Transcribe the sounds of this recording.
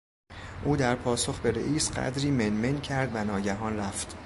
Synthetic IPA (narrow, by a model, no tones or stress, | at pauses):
ʔuːd̪æɾpʰɒːsoxbe̞ɾḛʔiːsɢæ̰d̪ɾiːmenmencʰæɾd̪vænɒːɟæɦɒːnræft̪